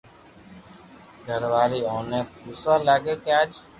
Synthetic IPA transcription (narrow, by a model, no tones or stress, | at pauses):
ɡʱəɾʋaːɾiːoːnẽːpuːsaːlaːɡeːkeaːd͡ʒ